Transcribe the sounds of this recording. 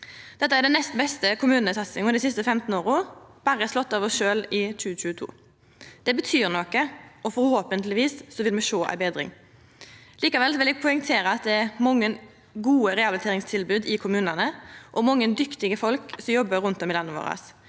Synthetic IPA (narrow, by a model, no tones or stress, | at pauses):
d̪̥ɛt̪ːəæɖɛnɛst̪nbɛst̪əkʰʊmʉːnəsɑt̪sɪŋɔmd̪ɪsɪst̪əfɛmt̪n̩oːɾʊːb̥ɑːɾəɛslɔt̪ːɑːʋəʃøːlɪt͡ʃʉːɕʉːət̪ʰṵː | d̪̥ɛbət̪ʰyːɾnɔkəɔfɔɾhoːpənt̪lɪʋiːssɔʋɪlmɛʂoːʔæ̰ɪbeːd̪ɾɪ̰ŋ | liːkɑʋɛlsɔʋɪlɛɡ̚pʰɔɪŋt̪ʰeːɾəɑt̪̚d̪ɛæɾmɔŋːən | ɡuːəɾɛɑblt̪ʰeːɾɪŋst̪ʰɪlbʉːd̪ɪkʰʊmʉːnənəʔɔmɔŋːənd̪ʏkt̪ɪɡəfɔlksɔmjɔbːəɾʉnt̪ɔmɪlɑnːəʋo̰ːɾɑ̰s